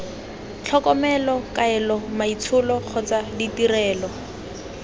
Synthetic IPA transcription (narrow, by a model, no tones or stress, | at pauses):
t͡ɬʰɔkɔmɛlɔkaɛlɔmait͡sʰʊlɔχʰɔt͡saditirɛːlɔ